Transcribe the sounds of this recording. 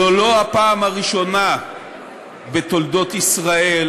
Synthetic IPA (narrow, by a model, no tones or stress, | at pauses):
olo̞apaːmhaʁiʃo̞na | bet̪o̞ld̪o̞t̪isʁae̞l